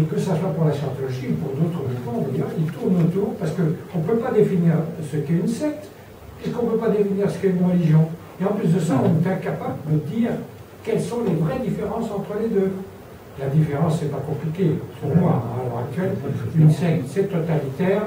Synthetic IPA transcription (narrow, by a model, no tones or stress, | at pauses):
ekəsaswapuʁlasjɑ̃t̪ɔlɔʒiupuʁd̪ot̪χəvikɑ̃d̪ajœːʁilt̪uʁnot̪uːʁpaʁsə̥kəɔ̃pøpad̪efiniːʁsəkɛynsɛk̚t̪ | ɛsəkɔ̃pøpad̪efiniʁsə̥kɛmɔʁəliʒjɔ̃ | eɑ̃plysd̪əsaɔ̃nɛt̪ɛ̃kapabləd̪əd̪iːʁ | kɛlsɔ̃levʁɛd̪ifeʁɑ̃sɑ̃t̪χəled̪ø | lad̪ifeʁɑ̃sːɛpakɔ̃plikʲepuʁmwaalœʁak̚t̪ɥɛlynsɛk̚t̪sɛt̪ɔt̪alit̪ɛːʁ